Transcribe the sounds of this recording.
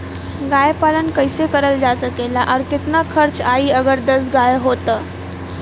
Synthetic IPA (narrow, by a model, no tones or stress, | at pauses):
ɡajpalənkəjsekəɾəld͡zasəkelaʔaɾkɪt̪nakʰəɾt͡saiːəɡəɾd̪əsɡajɦot̪əː